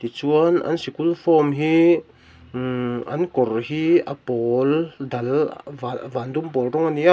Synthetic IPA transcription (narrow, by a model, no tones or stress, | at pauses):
t̪it͡suəna̰nsikulfɔmɦi | a̰nkɔɾhia̰pɔld̪ɐlvavand̪umpɔlrɔŋania